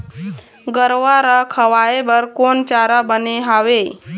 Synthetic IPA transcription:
ɡəɾʋaɾakʰəʋajebəɾkont͡ɕaɾabəneɦaʋe

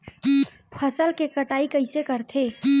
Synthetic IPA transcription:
pʰəsəlkekəʈaikəɪsekəɾt̪ʰeː

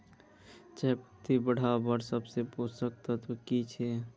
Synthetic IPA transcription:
t͡ʃapət̪ibəɽ̤abəɾsəbseposəkt̪ət̪ʰkit͡ʃʰɛ

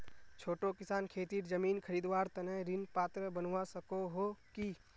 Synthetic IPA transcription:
t͡ʃʰoːʈokɪsaːnkʰeːt̪iːɾd͡ʒɐmiːnkʰəɾiːd̪waːɾt̪ɐnəɾɪnpaːt̪ɾəbənʋasɐkoɦoki

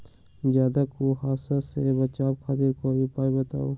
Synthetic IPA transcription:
d͡ʒjaːd̪akoɦaːsasebət͡ʃabkʰaːt̪iɾkobʱipaːibət̪a̰ːo

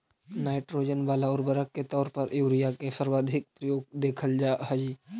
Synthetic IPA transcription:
naːɪʈɾoːd͡ʒənbaːlaɔːɾbəɾəkːet̪ɔːɾpɐɾjuːɾɪjakesəɾʋaːd̪ʱɪk̚pɾəjoːɡ̚d̪eːkʰəld͡ʒaːɦɛd͡ʒiː

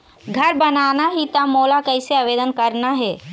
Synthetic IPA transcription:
ɡʱɐɾbɐnaːnaɦit̪amoːlakɛɪseaːʋeːd̪ənkɐɾnaɦɛː

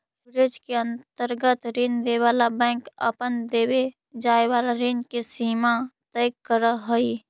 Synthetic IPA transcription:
bɾɪd͡ʒkeə̃nt̪əɾɡət̪ɾɪnd̪eʋaːlabɛ̃ŋkə̰pənd̪eːwe | d͡ʒaːeʋaːlaɾinkesiːmat̪əjɡkəɾəɦəi

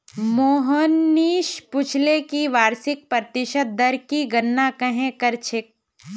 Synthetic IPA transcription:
moːɦənːiːʃpʊt͡ʃʰlekiʋaːɾsɪk̚pɾət̪ɪʃət̪̚d̪ɐɾkiɡɐnːakɐɦẽkɐɾt͡ʃʰɪk̚

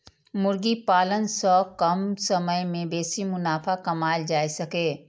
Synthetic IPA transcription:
mʊɾɡipaːlənsɔːkɐmsɐməjmẽbeːsimʊnaːfʰakɐmaːjd͡ʒaːisɐkeː

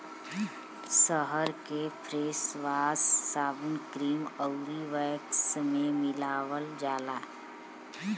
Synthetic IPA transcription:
səɦəɾkepʰɾeːsʋaːsːaːbənkɾiːməʊɾiʋəksmẽmɪlaːʋəld͡ʒaːlaː

